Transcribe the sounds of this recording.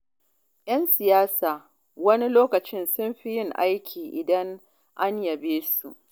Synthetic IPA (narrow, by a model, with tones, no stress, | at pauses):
jɐ˦nsɪ˨jaː˦saː˨ | wɐ˦ni˦loː˦kɐ˨t͡ʃɪ˦nsʊ˦mɸi˦jɪ˦ŋʔa˦jkʲʰiː˨ʔɪ˨dɐ˦ŋ | ʔa˦ɲjɐ˨beː˦su˨ʔ